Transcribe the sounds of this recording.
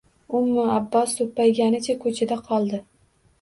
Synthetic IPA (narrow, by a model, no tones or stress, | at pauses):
ʊmːʊabːɒst̪ʰopːajɡʲanɪt͡ʃʰakʰɵt͡ʃʰad̪aqʰɒlˠd̪ɪ